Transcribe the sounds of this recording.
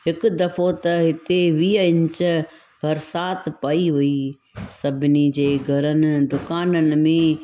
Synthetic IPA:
ɦɪkd̪ɐfot̪ɐɦɪt̪eʋiːəɪ̃ɲt͡ɕ | bɐɾsaːt̪ʰpɐiɦʊi | sɐbʱɪnid͡ʑeːɡʱɐɾənɪ̆d̪ʊkaːnənɪ̆mẽ

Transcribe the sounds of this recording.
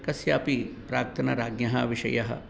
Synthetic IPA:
kɐsjaːpipɾaːk̚t̪ʰɐnɐɾaːɡjɐɦɐʋiʃɐ̰jɐɦɐ̰

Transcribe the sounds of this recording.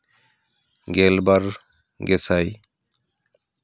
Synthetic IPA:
ɡɛlbaɾ | ɡɛsaj

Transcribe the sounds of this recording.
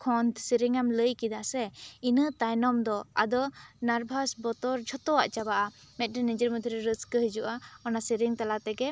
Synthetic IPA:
kʰɔnt̪ʰsiɾiŋamləjkid̪aʔsɛinət̪ajnɔmd̪ɔa̰d̪ɔnaɾbʱasbɔt̪ɔɾd͡ʒʱɔt̪ɔwaʔt͡ʃabaʔa | mɛt̪̚ˀɾɛnid͡ʒəɾmud̪ʱiɾɛɾəskəɦid͡ʒuʔaɔnasiɾiŋt̪alat̪ɛɡɛ

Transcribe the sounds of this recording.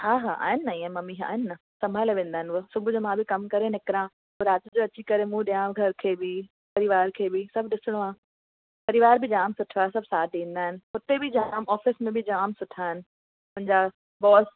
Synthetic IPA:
haːɦa̰ːʔa̰ːɦɪnɪːɐiːə̃mɐmiːɦa̰ːɦɪnnɐ | sɐ̃mbʱaːleʋẽːnd̪aːɦɪnʋʊsʊbʱʊd͡ʑomãbʱɪkɐmkɐɾenɪkɪɾã | oɾaːt̪d͡ʑoːɐt͡ɕikɐɾemũɗijãːɡʱɐɾkʰeːbɪ | pɐɾiʋaːɾkʰeːbɪsɐbʱɗɪsɪɽ̃oaː | pɐɾiʋaːɾbʱɪd͡ʑaːmsʊʈʰʋaːɦesɐbʱsaːt̪ĩːn̆d̪aːɦɪnɪ̆ɦʊt̪ebɪd͡ʑaːmɔːfɪsmẽbʱɪd͡ʑaːmsʊʈʰaːɦɪnɪ | mʊ̃ɦɪ̃ɲd͡ʑa | bɔːs

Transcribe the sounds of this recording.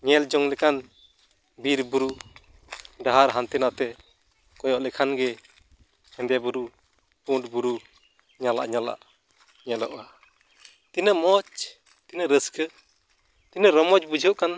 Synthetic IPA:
ɲɛld͡ʒɔŋlɛkan | biɾbuɾu | ɖaɦaɾɦant̪ɛnat̪ɛ | kɔjɔʔlɛkʰanɡɛ | ɛnd̪ɛbuɾu | puʈbuɾu | ɲala̰ʔɲala̰ʔ | ɲɛlɔ̰ʔa | t̪inəmɔt͡ʃ | t̪inəɾəskə | t̪inəɾɔmɔt͡ʃbud͡ʒʱəʔkan

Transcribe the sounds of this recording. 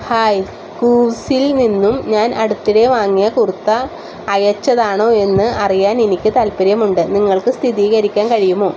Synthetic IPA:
haːj | kuːsilninːumɲaːnɐɽut̪ːiɽe̞ʋaːŋːijɐkurut̪ːɐː | jɐt͡ɕːɐðaːɳo̞ːe̞nːɨʔɐrijaːnenikʲːɨt̪ɐlpɐɾjɐmuɳɖɨniŋːɐɭkɨst̪ʰiðiːɣɐɾikʲːaːnkɐɻijumo̞ː

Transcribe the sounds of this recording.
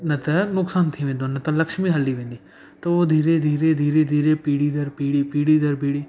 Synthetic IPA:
nət̪ɛnʊksaːnt̪ʰiːʋẽːnd̪õːnət̪aləkʃmiːɦəlːiːʋẽːnd̪iː | t̪õoːd̪ʱiːɾeːd̪ʱiːɾeːd̪ʱiːɾeːd̪ʱiːɾeːpiːɽiːd̪əɾpiːɽiːpiːɽiːd̪əɾpiːɽiː

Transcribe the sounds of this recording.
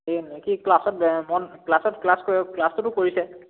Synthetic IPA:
enekiklasɔt̚mɔnklasɔtklaskɔɛklastʊtʊkoɹisɛ

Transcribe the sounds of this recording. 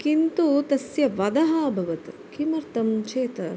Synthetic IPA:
kint̪ut̪ɐsjɐʋɐd̪ɐɦaːbʱɐʋɐt̪kimɐɾt̪ɐmt͡ʃeːt̪ɐ

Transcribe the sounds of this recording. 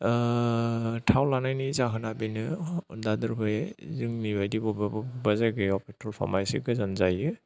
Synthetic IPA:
tʰawlanajnizaɦɯnabinɯdadɯɾbɯjezɯŋnibajdibɔbbazaɡiɔpʰitʰɔlpʰa̰majsḭɡɯzanzajɯ

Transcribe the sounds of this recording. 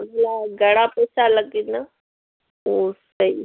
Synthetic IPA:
məɡlaɡʱəɽapəjsaləɡina | osəi

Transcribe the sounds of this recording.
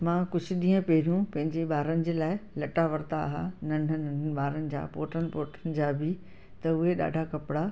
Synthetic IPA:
mãːkʊd͡ʑʱʊ̆ɗĩːə̃pɛɦɾjũpɐ̃ɦɪ̃ɲd͡ʑeɓaːɾənɪ̆d͡ʑeːlaːɪlɐʈaʋɐɾt̪a̰ɦã̰nɐ̃ɳɖʱənɐ̃ɳɖənɪ̆ɓaːɾənɪ̆d͡ʑa̰ːpoːʈənɪ̆poːʈənɪ̆d͡ʑaːbɪ | t̪ɐʊɦeɗa̰ːɖʱakɐpɪɽa

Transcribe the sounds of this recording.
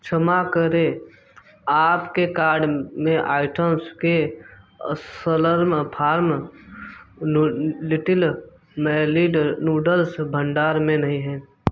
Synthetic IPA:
t͡ʃʰəmakəɾe | aːpkekaːɾɖmẽʔaːɪʈəmske | sələɾmpʰaːɾm | lɪʈɪl | mɛliɖnuːɖəlsbʱəɳɖaːɾmẽnəɦĩɦɛ̃ː

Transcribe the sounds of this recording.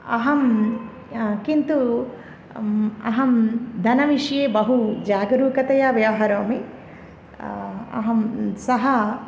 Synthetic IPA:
ɐɦɐm | kint̪u | ɐ̰ɦɐmd̪ʱɐnɐʋiʂjeːbɐɦud͡ʒaːɡɐɾuːkɐt̪ɐjaːʋjaːɦɐɾoːmi | ɐ̰ɦɐmsɐɦɐ

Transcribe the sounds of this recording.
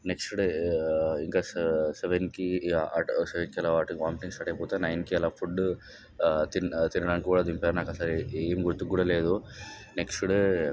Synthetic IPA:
neksʈɽ | iŋkasseʋenkiaːʈseʋenkiɐlaʋaːɾʈiŋɡʋaːmʈiŋsɐʈeput̪anɐjnkiɛlafʰuɖː | t̪int̪inɐɽaːnkkuːɽaːd̪impɐɾnaːkasaɾiemɡuɾt̪ːuɡːuɽɐleːd̪uneksʈɽ

